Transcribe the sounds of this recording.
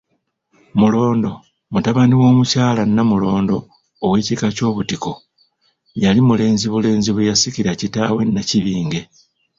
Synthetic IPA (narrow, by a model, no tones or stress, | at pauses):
mulo̞ːndo̞ | mutaβaniwo̞ːmucaːlanːamulo̞ːndo̞ː | weːcikaco̞ːβutiko̞ | jalimule̞ːnziβule̞ːnziβejasiciɾacitaːwe̞nːaciβiːŋɡe̞